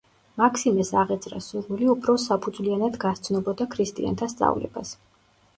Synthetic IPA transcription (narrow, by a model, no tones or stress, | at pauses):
makʰsimɛsaʁɛt̪sʰʼɾa̰suɾvuliupʰɾɔsapʰud̪zvlianad̪ɡast̪sʰnɔbɔd̪akʰɾist̪ʼḭa̰nt̪ʰast̪sʼa̰vlɛ̰ba̰s